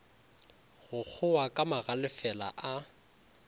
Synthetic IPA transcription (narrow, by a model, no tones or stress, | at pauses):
ɣʊk͡xʰʊwakʼamaɣalɪfɛla̰ʔa